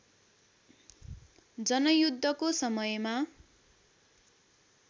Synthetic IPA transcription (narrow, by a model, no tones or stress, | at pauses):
d͡zʌnʌjud̪ʱːʌkosʌmʌjma